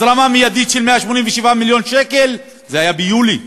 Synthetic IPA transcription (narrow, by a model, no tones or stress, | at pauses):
ɾamamijad̪it̪ʃelmeaʃmonimveʃivamiljo̞nʃekel | zehajabejuli